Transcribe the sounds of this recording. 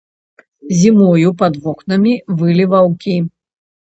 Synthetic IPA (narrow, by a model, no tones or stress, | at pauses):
zʲimɔjupɐd̪vɔknɐmʲivɨlʲivawkʲi